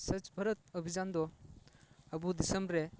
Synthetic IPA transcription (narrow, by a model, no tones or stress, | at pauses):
sɐt͡ʃbʱɐɾət̪̚ɔbʱizand̪ɔ | ɐbudisembɾe